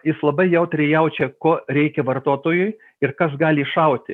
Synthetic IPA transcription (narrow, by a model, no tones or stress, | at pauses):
jɪslˠɐbɐɪjɛʊt̪ɾʲɛjɛʊt͡ʃʲɛkoːɾʲɛɪkʲɛʋɐrt̪oːt̪oːjʊɪ | ɪrkɐsɡɑːlʲɪːʃɐʊt̪ʲɪ